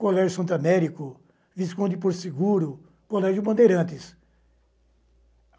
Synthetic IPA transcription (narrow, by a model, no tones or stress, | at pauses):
kolɛʒʊsɐ̃nt̪amɛɾikʊ | viskõd̪ɪpoɾsiɡuɾʊ | kolɛʒjʊbɐ̃nd̪eɾɐ̃t̪ɪs